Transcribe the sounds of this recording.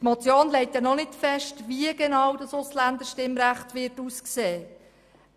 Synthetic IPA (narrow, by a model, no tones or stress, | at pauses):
tmɔt͡sjoːnlɛɪtjɛnɔnɪtfɛʃtʋiəɡɛnɑwdɑsʊslænd̪əɾʃtɪmɾæχtʋɪɾtuːskseː